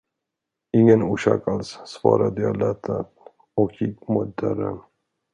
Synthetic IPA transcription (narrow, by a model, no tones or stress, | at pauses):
ɪŋːənuːʃɑːkalsːvɑːɾad̪əjɑlɛt̪ʰːa | ɔkjikmʊd̪aɾə̰n